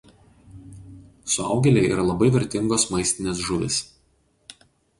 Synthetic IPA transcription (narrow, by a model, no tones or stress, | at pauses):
sʊɑˑʊɡʲɛlʲɛɪḭːɾɐlˠɐbɐɪʋʲɛɾʲt̪ʲɪŋɡoːsmɐɪsʲt̪ʲɪnʲeːsʒʊʋʲɪ̰s